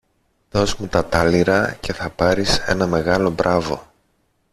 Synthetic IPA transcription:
ðo̞zmut̪ɐt̪ɐliɾɐce̞θɐpɐɾise̞̰nɐme̞ɣɐlo̞bɾɐvo̞̰

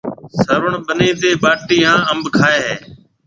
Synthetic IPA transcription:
səɾʋəɳbənĩːt̪eːɓaːʈiːɦãːəmbkʰaːeːɦeː

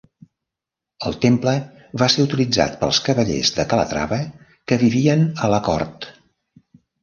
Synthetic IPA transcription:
əlˠt̪emplə | βaseut̪ilid͡za̰t̪̚pə̰lˠskəβəʎḛzðəkələ̰t̪ɾa̰βə | kəβiβiənələkɔ̰rt̪

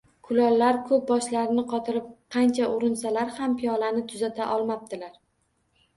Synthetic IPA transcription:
kʰʊlalːaɾkʰɵp̚bɒʃlaɾɪnɪqʰɒt̪ʰɪɾɪp̚qʰɑnt͡ʃʰaʔʊɾɪnsalaɾhampʰijɒlanɪt̪ʰʊzat̪ʰaʔɒlˠmap̚d̪ɪlaɾ

